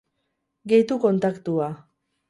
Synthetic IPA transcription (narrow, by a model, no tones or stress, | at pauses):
ɡe̞jt̪uko̞nt̪akt̪ua